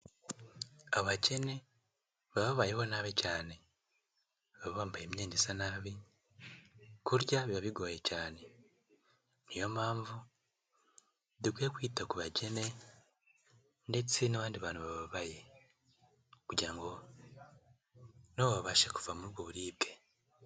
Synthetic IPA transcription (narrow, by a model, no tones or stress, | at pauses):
aβaɟe̞ne̞ | βaβaβajeho̞naβicaːne̞ | βaβaβaːmbajemɲeːndesanaβi | kuɾɟaβiβaβiɡoːjecaːne̞ | nijo̞maːɱvu | diɡwekwiːtakuβaɟe̞ne̞ | nde̞t͡sinaβaːndiβaːnhuβaβaβaje | okuɟiɾaŋɡo̞ | noββaβaʃeku̥vamuɾuβɡoβuɾiːbɡe̞